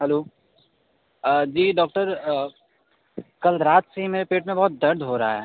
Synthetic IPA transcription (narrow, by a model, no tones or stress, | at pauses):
ɦɛloː | d͡ʒiːɖɔːk̚ʈəɾ | kɐlɾaːt̪seɦimeːɾepeːʈmẽbɐɦt̪̚d̪ɐɾd̪ʱɦoɾɐɦa̰ɦɛː